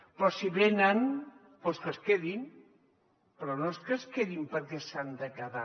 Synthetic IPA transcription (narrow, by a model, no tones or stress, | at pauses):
pɾɔsiβenən | poskəskeðin | pɾɔnoskəskeðimpəɾkɛsand̪əkaða